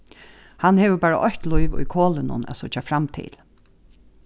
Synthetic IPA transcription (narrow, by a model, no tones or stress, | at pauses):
hanːhɛːʋəbaːɹa̰ʔɔçt̪lujʋʊ̰jkʰoːlɪnʊ̰næ̰sʊt͡ʃafɾamt̪ʰɪ̰l